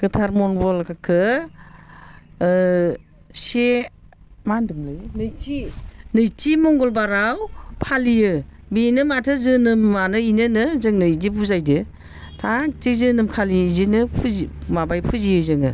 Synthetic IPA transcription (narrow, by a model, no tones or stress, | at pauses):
ɡ̥ɯtʰaɾmɔnbɔlkʰakʰɯ | se | mandɯmlɯjnɯjtinɯjtimɔŋɡɔlbaɾawpʰalijɯ | binɯmatʰɯzɯnɯmːanɯinɯnɯzɯŋnɯidibuzajdɯ | tʰatizɯnɯmkʰalizinɯpʰmabajpʰɯzijɯzɯŋɯ̰